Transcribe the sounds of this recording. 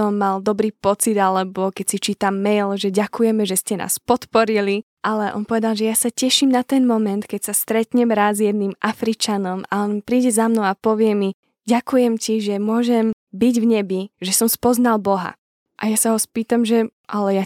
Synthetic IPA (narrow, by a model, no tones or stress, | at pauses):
ɔmːald̪ɔbɾiːpɔt͡sid̪alɛbɔkɛcsit͡ʃiːt̪amːɛjlʒɛɟakujɛmɛʒɛscɛnʔa̰ːspɔt̪pɔɾili | ʔalɛʔɔ̰npɔʋɛd̪alˠʒɛjasacɛʃimnat̪ɛnmɔmɛnt̪kɛcsast̪ɾɛt̪ɲɛmɾazjɛd̪̚nimʔafɾit͡ʃanɔma̰ɔnpɾiːɟɛzamnɔʊapɔʋɪɛmi | ɟakujɛmciʒɛmʊɔʒɛmbiɟvɲɛbiʒɛsɔmspɔznalbɔɦa̰ | ʔajasaɦɔspiːt̪amʒɛʔalɛja